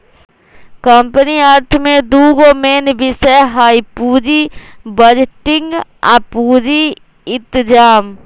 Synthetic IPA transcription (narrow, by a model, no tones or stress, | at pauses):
kəmpəniəɾt̪ʰmẽd̪uːɡomeːnbʱɪsɛɦaːipuːd͡ʒibəd͡ʒʈɪ̃ŋɡa̰puːd͡ʒi | ɪt̪d͡ʒaːm